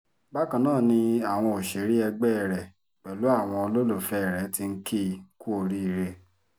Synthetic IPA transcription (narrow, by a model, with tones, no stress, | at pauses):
ba˦kã˨nãː˦˨nĩ˧a˨w̃ɔ̃˧o˨ʃe˨˦ɾi˦ɛ˧ɡ͡bɛ˦˨ɾɛ˨ | k͡pɛ˨lu˨˦a˦˨w̃ɔ̃˧o˧lo˦lo˦˨fɛ˦˨ɾɛ˨˦ti˧ŋ̩˦kʰi˦˨ku˦o˧ɾi˦˨ɾe˧